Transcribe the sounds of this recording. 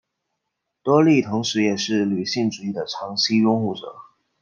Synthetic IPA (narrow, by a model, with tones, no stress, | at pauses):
t̪wɔ˥li˥˩t̪ʰʊ˧˥ŋʂɻ̩˧˥jɛ˨˩ʂɻ̩˥˩ly˨˩ɕi˥˩ŋʈ͡ʂu˨˩i˥˩d̪ə˩ʈ͡ʂʰɑ˧˥ŋɕi˥jʊ˥ŋxu˥˩ʈ͡ʂɤ̰˨˩˦